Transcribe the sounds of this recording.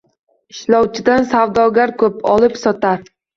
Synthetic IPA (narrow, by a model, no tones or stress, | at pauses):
ɪʃlɒwt͡ʃʰɪd̪ansawd̪ɒɡʲaɾkʰɵpɒlˠɪpsɒt̪ʰaɾ